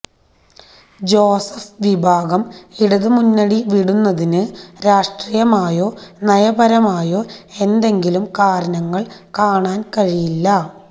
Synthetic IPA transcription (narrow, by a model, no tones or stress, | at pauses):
d͡ʑoːsɐfʋibʱaːɡɐmiɽɐðɨmunːɐɽiʋiɽunːɐðinɨɾaːʂʈrijɐmaːjoːnɐjɐbɐɾɐmaːjo̞ːe̞nd̪e̞ŋɡilumkaːɾɐnɐŋːɐɭkaːɳaːnkɐɻijilːɐ